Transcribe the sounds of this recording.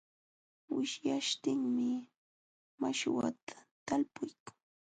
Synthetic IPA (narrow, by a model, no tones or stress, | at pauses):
wɪʃjaʃt̪ɪŋmɪ | maʃwa̰t̪ʰḁt̪alpʊjkḁŋ